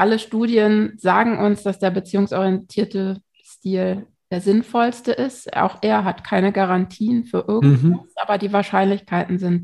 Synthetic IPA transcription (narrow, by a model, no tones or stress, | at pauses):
ʔaləʃtuːdjənz̥aːɡŋ̩ʔʊnsd̥asd̥eːɐbət͡siːʊŋsʔɔʁijɛntʰiːɐtə | ʃtiːl | d̥eːɐzɪnfɔlstəʔɪstʔa̰ʊxʔeːɐɦatkʰaɪnəɡaʁantʰiːənfyːɐʔɪɐɡŋ̩tvaʔaːbɐdiːvaːɐʃaɪnlɪçkʰaɪtn̩zɪnt